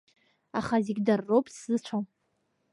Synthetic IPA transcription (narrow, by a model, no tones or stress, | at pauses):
aχazeɡʲdarːowpʼsɨt͡ɕʷʰom